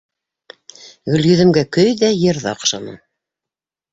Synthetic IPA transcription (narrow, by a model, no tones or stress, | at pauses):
ɡɵ̆ljɵ̆ðɘ̆mɡækɵjðæjɤ̆ɾðɑ̰qʃɑnɤ̰